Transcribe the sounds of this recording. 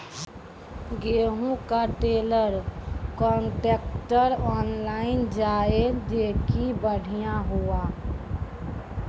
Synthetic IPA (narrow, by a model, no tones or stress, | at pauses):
ɡeɦũkaʈeləɾkɔɳʈekʈəɾɔːnlaɪnd͡ʒaːed͡ʒekibəɽ̤ʱijãɦoa